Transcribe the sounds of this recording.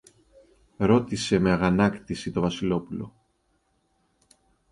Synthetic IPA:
ɾo̞t̪ise̞me̞ɐɣɐnɐkt̪isit̪o̞vɐsilo̞pulo̞̰

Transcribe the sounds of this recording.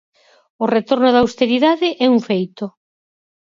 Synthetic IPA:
ʊret̪oɾnʊðawst̪eɾiðaðɪʔɛuɱfejt̪o

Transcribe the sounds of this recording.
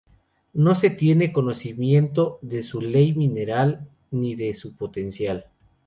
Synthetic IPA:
no̞se̞t̪je̞ne̞ko̞no̞simje̞nt̪o̞ðe̞sule̞jmĩne̞ɾal | niðe̞supo̞t̪e̞nsjal

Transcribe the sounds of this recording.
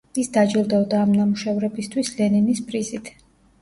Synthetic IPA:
isd̪ad͡ʒilˠd̪ɛɔd̪aːmnamuʃɛvɾɛbist̪ʰwislɛninispʼɾizit̪ʰ

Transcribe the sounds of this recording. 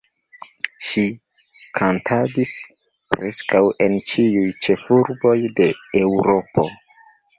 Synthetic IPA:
ʃi | kʰantʰadis | pɾeskawe̞nt͡ʃiujt͡ʃe̞fuɾbo̞jde̞ewɾo̞po̞̰

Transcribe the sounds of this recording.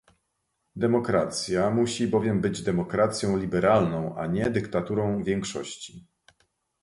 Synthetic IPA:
d̪ɛmɔkɾat̪sʲjamuɕibɔvʲjɛmbɘd͡ʑd̪ɛmɔkɾat̪sʲjɔ̃w̃lʲibɛɾalnɔ̃w̃a̰ɲɛd̪ɘkt̪at̪uɾɔ̃w̃vʲjɛŋkʂɔ̰ɕt͡ɕi̥

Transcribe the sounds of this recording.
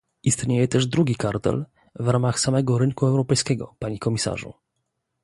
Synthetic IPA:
ʔist̪ɲejɛt̪ɛʐd̪ɾuɡʲikaɾt̪ɛ̰l | vɾamaxsamɛɡɔɾɘŋkuɛwɾɔpɛjskʲɛɡɔ̰paɲikɔmʲisa̰ʐṵ

